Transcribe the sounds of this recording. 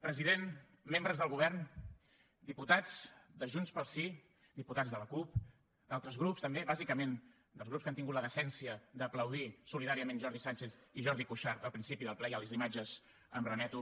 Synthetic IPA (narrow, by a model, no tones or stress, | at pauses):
pɾəziðen | mːembɾəzðəlˠɣuβɛɾn | d̪iput̪ad͡zd̪əʒunspəlˠsi | d̪iput̪ad͡zðələkup | d̪alˠt̪ɾəzɣɾupst̪əmbeβazikəmen | d̪əlˠzɣɾupskant̪iŋɡut̪ləðəsɛnsiəd̪əpləwð̞isuliðaɾiəmenʒɔɾðisant͡ʃeθiʒɔɾðikuʃaɾt̪əlˠpɾinsipiðəlˠplɛjəlizimad͡ʒəz̥ | əmrənɛt̪u